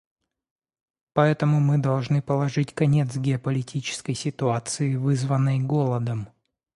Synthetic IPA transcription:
pɐɛt̪əmʊmɨd̪ɐlˠʐnɨpəlˠɐʐɨtʲkɐnʲe̞t̪sɡʲɪɐpəlʲɪtʲit͡ɕɪ̥skəjsʲɪt̪ʊat̪sɨɪvɨzvənːəjɡolˠəd̪əm

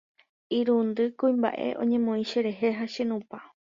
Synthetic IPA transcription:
iɾund̪ɨkuĩmba̰ʔe̞̰ʔõ̰ɲẽ̞mõĩʃeɾe̞ɦeɦaʃenũpa

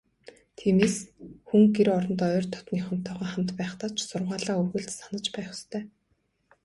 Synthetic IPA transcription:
t̪ʰiːmeːsxuŋɡeɾɔɾɞ̆nt̪œːrt̪ʰɔ̥t̪niːχʊ̆nt̪ʰːœːʁœːχam̥t̪pæːχt̪aːt͡ɕʰsʊrʁaːɮaːuɣɘ̆ɮt̪sanə̆t͡ɕpæːχʊ̥st̪ʰœː

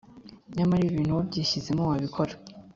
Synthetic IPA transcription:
ɲamaɾiːβiːn̥huβobɟiːɕizemowaβikʰoɾa

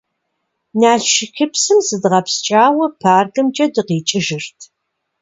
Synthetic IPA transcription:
naːɬʃɪxʲɪpsɨmsɨdʁɐpst͡ʃʼaːwɐpʰaːrɡɨmt͡ʃʼɐdɨqiːt͡ʃʼɪʒɪrtʰ

